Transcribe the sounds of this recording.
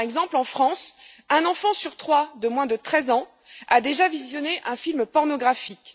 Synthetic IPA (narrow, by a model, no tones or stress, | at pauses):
ɛɡzɑ̃plɑ̃fχɑ̃s | ɛ̃nɑ̃fɑ̃syʁt̪χwad̪əmwɛ̃d̪ət̪χɛzɑ̃ | ad̪eʒavizjɔneʔɛ̃filmpɔʁnɔɡʁafik